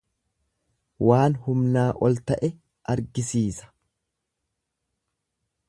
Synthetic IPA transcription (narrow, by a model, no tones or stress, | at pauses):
waːnhʊmnaːʔɔlt̪ɐʔɛ | ʔɐɾɡɪsiːsɐ̥